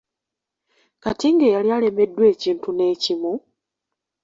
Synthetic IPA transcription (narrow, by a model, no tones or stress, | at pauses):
katiŋɡe̞jaljale̞me̞dːwe̞ːciːntune̞ːcimu